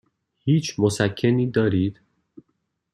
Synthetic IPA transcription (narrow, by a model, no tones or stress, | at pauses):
hiːt͡ʃʰmosækʰːeniːd̪ɒːɾiːd̪̥